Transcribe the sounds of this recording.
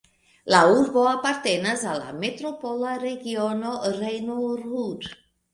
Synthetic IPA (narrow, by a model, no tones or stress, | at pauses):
lauɾboapaɾt̪enazala̰met̪ɾopolaɾeɡionorejnuruɾ